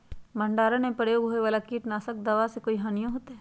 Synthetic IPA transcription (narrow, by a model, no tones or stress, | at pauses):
mɐ̃ɳɖaːɾanẽpɾəjoːɡɦoːeʋaːlakiːʈnaːsək̚d̪ɐʋasekoːiɦaːnijõɦoːt̪eɦɛː